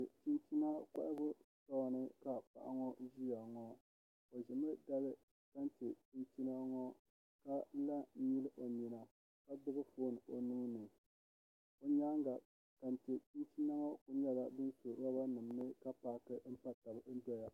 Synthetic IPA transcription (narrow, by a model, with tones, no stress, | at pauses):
ɨ˨ti˦nti˦na˦k͡pa̰˦ʔɪ˦bʊ˦sɔ˦˨nɨ˦ka˨pa̰˨ʔa̰˨˦ŋɔ˦ʒi˦a˨ŋɔ˦ | o˨ʒɪ˨mɨ˦da˦lɨ˦ | ka˦n˦tɪ˨ti˦nti˦na˦ŋɔ˦ | ka˦n̩˦la˦ɲi˦lɨ˦ʔo˨ɲi˨na˨ | ka˦dʊ˦bɨ˦foː˦nɨ˨ʔo˨nuː˦nɨ˨ | o˨ɲa˦ŋɡa˨ | ka˨n˨tɪ˨ti˦nti˦na˦ŋɔ˦ku˨ɲɛ˦la˦bɨ˦nso˨˦a˦ba˦nɨ˨m˦nɨ˦ka˦paː˦kɨ˦m̩˦pa˦ta˨bɨ˨n̩˦dɛ˦ja˨